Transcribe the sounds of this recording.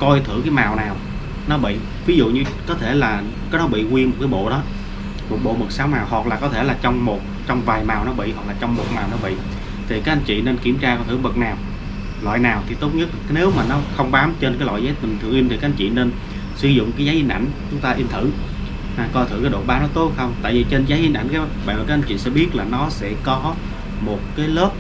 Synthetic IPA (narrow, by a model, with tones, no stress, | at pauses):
kɔ˧jt̪ʰɨ̰˧˩˨kaː˨˦jmaː˨˩wnaː˨˩w | nɔ˨˦ɓḭ˧˨ | vi˨˦zṵ˧˨ɲɨ˧kɔ˨˦t̪ʰe˧˩laː˨˩ | kaː˨˦jɗɔ˨˦ɓḭ˧˨ŋwi˧nmo˨˩t̚kaː˨˦jɓo̰˧˨ɗɔ˨˦ | mo˨˩t̚ɓo̰˧˨mə˨˩t̚saː˨˦wnaː˨˩wɦwa˨˩k̚laː˨˩kɔ˨˦t̪ʰe˧˩laː˨˩t͡ɕɔ˧wŋ͡mmo˨˩t̚ | t͡ɕɔ˧wŋ͡mvaː˨˩jmaː˨˩wnɔ˨˦ɓḭ˧˨ɦwa˨˩k̚laː˨˩t͡ɕɔ˧wŋ͡mmo˨˩t̚maː˨˩wnɔ˨˦ɓḭ˧˨ | t̪ʰi˨˩kaː˨˦k̚a˧˦n̟t͡ɕḭ˧˨ne˧nki˧˩əmt͡ɕaː˧kːt̪ɨ˧˩ə˦mɓə˨˩k̚naː˨˩w | lwa̰ː˧˨jnaː˨˩wt̪ʰi˨˩t̪o˦˥t̚ɲə˦˥t̚ne˨˦wmaː˨˩nɔ˨˦xə˧wŋ͡mɓaː˨˦mt͡ɕe˧nkaː˨˦jla̰˧˨jzaː˨˦jt̪ï˨˩ŋ̟t̪ʰɨ̰˨˧˨əŋʔi˧nt̪ʰi˨˩kaː˦ʔa˧˦ɲt͡ɕḭ˧˨ne˧n | sɨ˧˦zʊ̰˧˨ŋ͡mkaː˨˦jzaː˨˦jʔi˧nʔa̰˧˩jŋ̟t͡ɕʊ˨˦ŋ͡mt̪aː˧ʔi˧nt̪ʰɨ̰˧˩˨ | naː˨˩kɔ˧jt̪ɨ˧˩kaː˨˦ɗo̰˧˨ɓaː˨˦nɔ˨˦t̪o˦˥t̚xə˧wŋ͡mt̪a̰ː˧˨jvi˨˩t͡ɕe˧nzaː˨˦jʔi˧nʔa̰˧˩ŋkaː˨˦˥ɓa̰˧˨˩kaː˨˦˥ʔa˧n̟t͡ɕḭ˧˨sɛ̰˧˥ɓi˦˥ət̚laː˨˩nɔ˨˦sɛ̰˧˥kɔ˨˦ | mo˨˩t̚kaː˨˦jləː˦˥p̚